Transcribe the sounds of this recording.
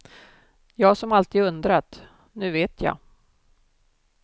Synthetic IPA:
jɑːɡsɔmalt̪iːd̪ɵnd̪ɾat̪ | nʉ̟ːveːt̪ʰjɑ̰ː

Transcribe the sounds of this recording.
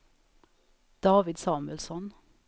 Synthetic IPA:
d̪̥ɑːʋɪd̪sɑːmʉəlsɔn

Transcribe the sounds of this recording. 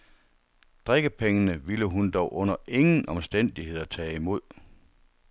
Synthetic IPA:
d̥ʁeɡ̥əpʰeŋənəʋiləɦund̥ɒʊʔɔ̽n̰ɐʔe̝ŋn̩ɒ̽msd̥en̰d̥ihe̝ð̰ˠɐt͡sʰɛ̰ːimo̝ð̞̰ˠ

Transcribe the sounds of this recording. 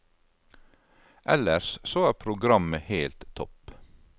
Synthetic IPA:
ʔɛ̰ləɾssoːæːɾpʰɾʊɡɾɑməheːlt̪ʰːɔp

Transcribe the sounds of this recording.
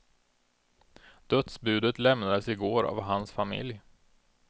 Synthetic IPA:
d̪̥œt̪sbʉ̟ːd̪ət̪lɛmnad̪əsɪɡoːɾa̰vɦansfamɪ̰lj

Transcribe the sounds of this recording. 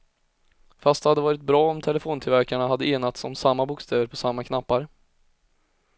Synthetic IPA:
fast̪d̪ɛhad̪ːəvɑːɾɪt̪̚bɾɑːɔmt̪ʰɛləfoːnt̪ʰɪlvæɾkaɳaɦad̪ːəeːnat̪sɔmsamːabʊkst̪ʰɛːvəɾpʰɔsamːakʰnapːaɾ

